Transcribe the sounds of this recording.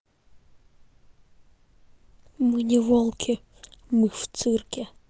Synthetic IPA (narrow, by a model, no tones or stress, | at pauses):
mɨnʲɛvɔlˠkʲʰɪ | mɨft̪sɨrkʲɛ